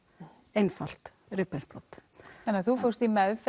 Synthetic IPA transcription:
ejnfal̥t̪ | rɪpɛlpɾɔt̪θanɪaθufowst̪imɛðf

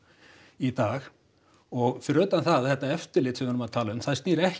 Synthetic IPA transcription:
it̪aːx | ɔɣfɾœːt̪anθaðθɛht̪aɛft̪ɪɾlɪːt̪sɛmvhœɾʏmaðt̪ʰaːlaʏmθaðst̪niːɾɛh

